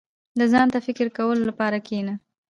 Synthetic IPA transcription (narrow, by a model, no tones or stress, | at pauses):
d̪əzɑnt̪afɪkɪɾkawəlolapɑɾakʰena